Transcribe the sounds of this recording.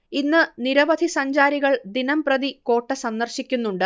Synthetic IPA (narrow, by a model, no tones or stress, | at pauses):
inːɨniɾɐʋɐd̪ʱisɐɲd͡ʑaːɾiɣɐɭd̪inɐmprɐðiko̞ːʈːɐsɐnːɐrɕikʲːunːuɳɖɨ